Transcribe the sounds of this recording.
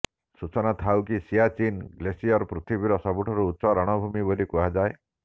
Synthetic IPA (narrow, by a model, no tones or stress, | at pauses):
sut͡ʃɔnat̪ʰawkisiat͡ʃinɡlesiɔɾpɾut̪ʰibiɾɔsɔbuʈʰɔɾuːtːsɔɾɔɽ̃ɔbʱumibolikuɦad͡ʒae